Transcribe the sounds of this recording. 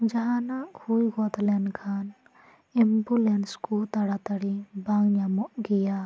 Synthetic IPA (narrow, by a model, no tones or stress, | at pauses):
d͡ʒɐɦanaʔhujɡɔt̪lɛnkʰan | imbulenskut̪ɐɽat̪ɐɽibaŋɲamɔʔɡija